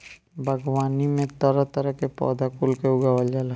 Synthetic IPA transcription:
bʱəɡwaːnimẽt̪ɔɾɔt̪əɾəkepɔ̰ːd̪akulkeʊɡawəld͡ʒala

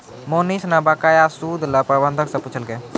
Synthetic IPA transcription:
monisnɐbakajasuːd̪lɐpɾəbənd̪ʱəksɐ̃put͡ʃʰəlɡə

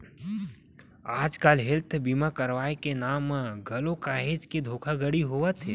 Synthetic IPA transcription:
aːd͡ʒkalɦɪlt̪ʰbiːmakɐɾʋaːekenaːmaɡʱɐlokaːɦeːd͡ʒkid̪ʱoːkʰaɡəɽiɦoːʋət̪ʰɛː

